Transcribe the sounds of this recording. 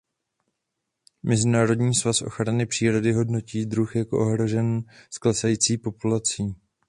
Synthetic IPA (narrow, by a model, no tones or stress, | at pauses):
mɛzɪnaːɾo̞dɲiːsvasʔo̞̰xɾanɪpr̥iːɾo̞dɪɦo̞dno̞ciːdɾuxjako̞̰ʔo̞ɦɾo̞ʒɛnsklɛsajiːt͡siːpo̞pulat͡siː